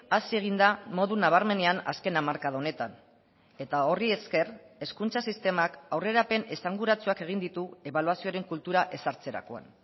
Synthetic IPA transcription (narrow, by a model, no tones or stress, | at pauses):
asie̞ɣind̪amo̞ðunaβ̞aɾme̞ne̞ana̰ske̞namaɾkaðaone̞t̪an | e̞t̪ao̞rie̞ske̞re̞skunt͡sasist̪e̞makawre̞ɾape̞ne̞saŋɡuɾat͡suake̞ɣ̞ind̪it̪ue̞βaluasio̞ɾe̞ŋkult̪uɾaʔe̞saɾt͡se̞ɾa̰ko̞a̰n